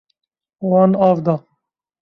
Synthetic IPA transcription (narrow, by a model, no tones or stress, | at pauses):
wɑːnɑːvd̪ɑ